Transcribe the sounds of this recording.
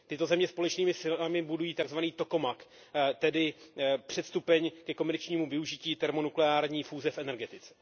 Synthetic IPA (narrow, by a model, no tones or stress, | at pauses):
t̪ɪt̪o̞zɛmɲɛspo̞lɛt͡ʃniːmɪsɪlamɪbudujiːt̪aɡzvaniːt̪o̞ko̞mak | t̪ɛdɪpr̝̥ɛt̪st̪upɛɲkɛko̞mɛɾt͡ʃɲiːmuvɪuʒɪciːt̪ɛɾmo̞nuklɛaːɾɲiːfuːzɛfʔɛnɛɾɡɛt̪ɪt͡sɛ̥